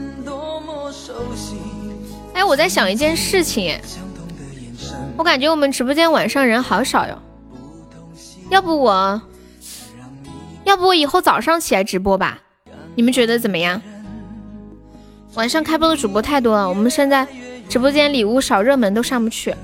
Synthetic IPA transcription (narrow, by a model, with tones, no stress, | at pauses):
xa˥jwɔ˨˩t͡sa˥˩ɪɕ̬jɑ˨˩ŋi˧˩t͡ɕjɛ˥˧nʂɻ̩˥˩t͡ɕʰi˨˩ŋ̰˨˩ | wɔ˧˦˥ka˨˩nt͡ɕɥɛ˧˥wɔ˨˩mə˦nʈ͡ʂɻ̩˧˥p̬wɔ˥˧t͡ɕjɛ˥nwa˨˩nʂɑ˥˩ŋɻə˧˥nxɑ˧˥ʊʂɑ˨˩ʊjo̰˨˥˦ | jɑ˥˩ʊbu˩wɔ˨˩˦ | jɑ˥˩ʊbu˩wɔ˧˥i˨˩xo˥˩ʊt͡sɑ˨˩ʊʂɑ˥˩ŋt͡ɕʰi˨˩la˧˥ɪʈ͡ʂɻ̩˧˥p̬wɔ˥bɐ̰˧˩ | ni˨˩mə˦nt͡ɕɥɛ˧˥d̪ə˧t͡sə˨˩nmə˦jɑ˥˩ŋ | wa˨˩nʂɑ˥˧ŋkʰa˥ɪpu˥˩d̪ə˨˩ʈ͡ʂu˨˩pwɔ˥t̪ʰa˥˩ɪt̪̬wɔ˥ə˨wɔ˨˩mə˦nʂɛ˥˧nt͡sa˥˩ɪʈ͡ʂɻ̩˧˥pwɔ˥t͡ɕjɛ˥nli˨˩u˥˩ʂɑ˨˩ʊɻɤ˥˩mə˧˥nt̪̬o˥ʊʂɑ˥˧ŋpu˧˥t͡ɕʰy˥˩